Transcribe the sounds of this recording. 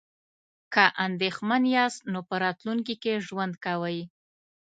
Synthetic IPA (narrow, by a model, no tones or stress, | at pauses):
kəʔand̪exmanjɑst̪nopəɾɑt̪luŋkikeʒwand̪kawəj